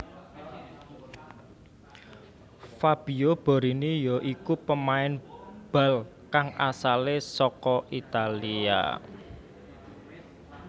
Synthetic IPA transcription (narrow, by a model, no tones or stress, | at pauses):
fab̥i̤ob̥ɔ̤ɾinijɔʔikupəmaɪnb̥a̤l | kaŋasalesɔkɔʔit̪alia̰